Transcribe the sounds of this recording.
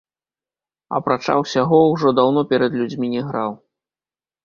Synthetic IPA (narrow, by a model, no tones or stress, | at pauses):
ɐ̰pɾat͡ʂa̰wsʲaɣɔwʐɔd̪awnɔpʲɛɾɐd̪lʲud͡zʲmʲinʲɛɣɾaw